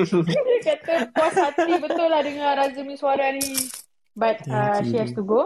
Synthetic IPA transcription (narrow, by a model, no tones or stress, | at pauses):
əkat̪əpɔsatibət̪ʊlːahdəŋãɾazəmĩsuaɾani | bat̪̚aʃiast̪uɡo